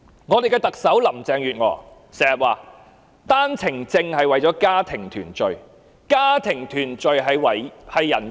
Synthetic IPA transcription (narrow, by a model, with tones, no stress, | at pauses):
ŋɔː˨˧d̪e˨jkɛː˧t̪ɐ˨k̚sɐ˨˥wlɐ˨˩mt͡sɛː˨ŋjyː˨˩t̚ŋɔ̰ː˨˧ | sɛː˨˩ŋjɐ˨t̚waː˨˩ | t̪aː˥nt͡sʰɪ˨˩ŋt͡sɪ˧ŋhɐ˨jwɐ˨jt͡sɔː˨˥kaː˥t̪ʰɪ˨˩ŋt̪ʰyː˨˩nt͡ʃɵ˨˧ɥ | kaː˥t̪ʰɪ˨˩ŋt̪ʰyː˨˩nt͡ʃɵ˨ɥɦɐ˨jwɐ˨˩jhɐ˨jːɐ˨˩n